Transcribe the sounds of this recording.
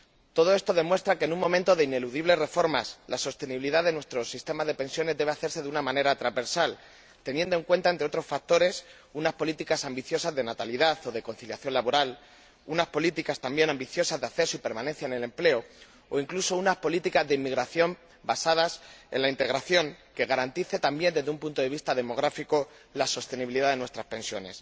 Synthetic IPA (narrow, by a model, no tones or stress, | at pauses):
t̪oð̞o̞e̞st̪o̞ðe̞mwe̞st̪ɾakeːnũŋmõ̞mẽnt̪o̞ðe̞ine̞luðiβ̞le̞re̞fo̞ɾmaslaso̞st̪e̞niβiliðaðe̞nwe̞st̪ɾo̞sist̪e̞mazðe̞pe̞nsjo̞ne̞zd̪e̞β̞aθe̞ɾse̞ðunamãne̞ɾat̪ɾazβe̞ɾsal | t̪e̞nje̞nd̪oe̞ŋkwe̞nt̪aeneo̞t̪ɾo̞sfak̚t̪o̞ɾe̞s | unaspo̞lit̪ikasambiθjo̞sazðe̞nat̪aliðaθo̞ð̞e̞ko̞nθiljaθjo̞nlaβo̞ɾal | unaspo̞lit̪ikast̪ambje̞nãmbiθjo̞sazðeaθe̞soipe̞ɾmãnenθjaene̞le̞mple̞o | oiŋklusounaspo̞lit̪ikazðeimːiɣɾaθjo̞m | basaðase̞̰nlaint̪e̞ɣɾaθjo̞ŋke̞ɣ̞aɾant̪iθe̞t̪ambje̞nd̪e̞zðeumpunt̪o̞ðe̞β̞ist̪aðe̞mo̞ɣ̞ɾafiko̞ | laso̞st̪e̞niβiliðaðe̞nwe̞st̪ɾaspẽ̞nsjo̞ne̞s